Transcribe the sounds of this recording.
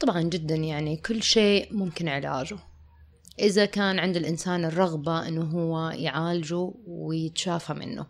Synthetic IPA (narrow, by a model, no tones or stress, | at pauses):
t̪ˤɑbʕɑnd͡ʒɪd̪ːanjaʕnikʊlːʃeːʔmʊmkɪnʕɪla̰ːd͡ʒu | ʔɪðakaːnʕɪnd̪ɪlʔɪnsaːnɪrˤːɑɣbaʔɪnːuɦʊwːajʕaːlad͡ʒuwɪjɪt̪ʃaːfamɪ̰nːṵ